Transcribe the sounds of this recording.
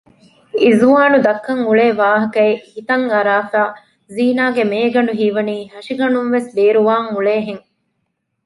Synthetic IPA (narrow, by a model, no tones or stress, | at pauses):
izuaːnud̪ɐkːɐŋuɭeːʋaːɦɐkɐehit̪ɐŋɐɾaːfaː | ziːnaːɡemeːɡɐɳɖuɦiːʋɐniːɦɐʃiɡɐɳumʋesbeːɾuʋaːŋuɭeːɦeŋ